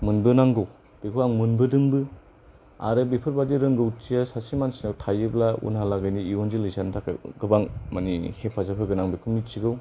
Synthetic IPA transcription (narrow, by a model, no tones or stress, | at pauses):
mɯnbɯnaŋɡɯw | b̥ikʰuaŋmɯnbɯdɯŋbɯ | a̰ɾɯbipʰɯɾbadiɾɯŋɡɯwt͡ʃiasasimansinawtʰajɯblaṵnhalaɡɯjniionzilisantʰakɡɯbaŋmanihepʰːazapʰɯɡɯnaŋbipʰɯmit͡ʃiɡɯw